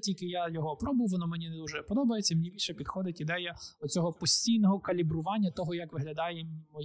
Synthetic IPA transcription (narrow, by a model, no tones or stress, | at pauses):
tʲilʲkɪjajɔɦɔpɾɔbʊʋɔnɔmɛnʲinɛd̪uʒɛpɔd̪ɔbɐjet͡sʲːɐimnʲibʲilʲʃɛpʲid̪xɔd̪ɪtʲid̪ɛjɐɔt͡sʲɔɦɔpɔsʲtʲijnɔɦɔkɐlʲibɾʊʋɑnʲːɐt̪ɔɦɔjɐkʋɪɦlʲɐd̪ɑjemmɔ